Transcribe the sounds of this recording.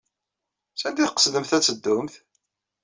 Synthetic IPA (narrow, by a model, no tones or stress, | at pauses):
sænd̪iθqə̥sðəmθæt͡sːəd̪ːʊmθ